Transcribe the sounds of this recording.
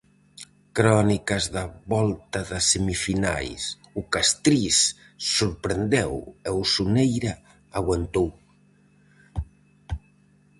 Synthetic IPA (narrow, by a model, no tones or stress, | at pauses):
kɾɔnikɐzðaβɔlt̪aðɐsemifina̰js | ukast̪ɾisː | uɾpɾend̪ɛwewsunejɾa | aɣwant̪ow